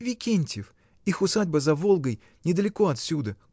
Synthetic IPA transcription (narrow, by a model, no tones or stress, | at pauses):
vʲɪkʲenʲtʲɪf | ixʊsadʲbəzɐvolˠɡəj | nʲɪd̪əlʲɪko̞ɐt̪sʲud̪ə